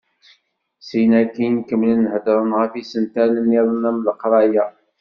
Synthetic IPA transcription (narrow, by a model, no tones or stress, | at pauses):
sinækinkəmlinːhədɾˤənʁəfisənt̪ænənːiðˤənæmləqɾˤɑjæ